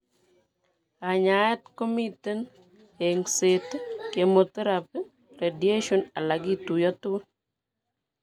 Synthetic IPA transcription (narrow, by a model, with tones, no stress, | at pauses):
a˨ɲa˨ɛ˦t̪̚ko˦mi˦te˦n | e˨ŋse˨tke˨mo˨t̪ɾa˨p | ɾe˨di˨e˦ʃɔ˦na˨la˨ɡi˦tu˨jɔ˦t̪ʊ˦